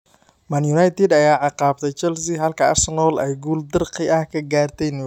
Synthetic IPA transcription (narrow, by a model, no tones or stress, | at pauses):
mɐnjunajt̪ʰɛd̪ɐjaːʕɑqɑːb̚t̪ʰɛjt͡ʃɛlsɪɦɐlkʰɐɐ̰rsɛnɔːlɛjɡuːld̪ɐrqɪʔɐhkʰɐɡaːrt̪ʰɛjn